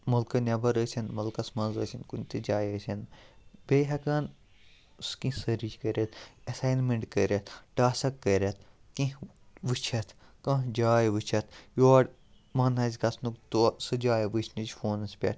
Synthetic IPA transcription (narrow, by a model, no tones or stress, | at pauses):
mɐlkɐnʲɐbɐɾəsʲɐnmɐlkɐsmɐ̃nzə̰ːsʲinkunt̪id͡ʒaːjəsʲɐnbeɦɐkaːn | skĩsɐɾid͡ʒkəɾʲɐt̪ʰɐsaːjnmeɳʈkəɾʲɐt̪ʰʈaːsɐkːəɾʲɐt̪̚ʰkĩ | ʋɨt͡ʃʰɐt̪ʰkɐ̃d͡ʒaːjʋɨt͡ʃʰɐt̪ʰjoːɖ | mɐːnɐːzʲkɐsnukt̪usɨd͡ʒaːjɐʋɨt͡ʃʰnid͡ʒfoːnɐspʲɐ̰ʈ